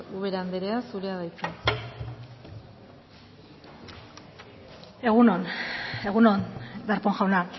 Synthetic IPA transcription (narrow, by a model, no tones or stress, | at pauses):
uβeɾand̪eɾeasuɾeaðajt͡se | e̞ɣunone̞ɣunond̪aɾpoŋʝawna